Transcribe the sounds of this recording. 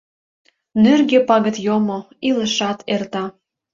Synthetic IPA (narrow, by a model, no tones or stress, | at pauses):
nørɣepɑɣə̆t̪jomo | iləʃɑt̪ert̪ɑ